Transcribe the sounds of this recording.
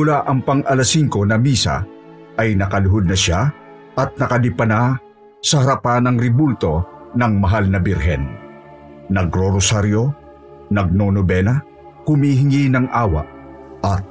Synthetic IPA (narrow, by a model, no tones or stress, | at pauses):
mʊlaʔɐŋpɐŋʔɐlɐsiŋko̞nɐmiːsa̰ | ʔɐjnɐkɐlʊɦod̪̚nɐʃa | ʔɐt̪̚nɐkɐlɪpɐna | sɐhɐɾɐpanɐŋɾɪbult̪o̞nɐŋmɐɦalnɐbɪɾɦɛ̰n | nɐɡɾoɾosaɾjo̞ | nɐɡ̚nonobɛnɐ | hʊmiːɦɪŋinɐŋʔaːwɐ̰ʔ | ʔɐt̪̚